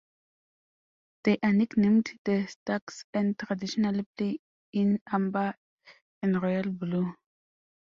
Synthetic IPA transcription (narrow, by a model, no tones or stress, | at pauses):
d̥eʔaniknɪmtd̥əstaksɛ̃ntʁadiʃonalple | ɪnamba | ɛnʁɔjalblu